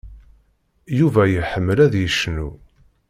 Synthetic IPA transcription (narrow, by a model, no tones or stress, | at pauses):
juvæjəħəmːəlæðjəʃːnu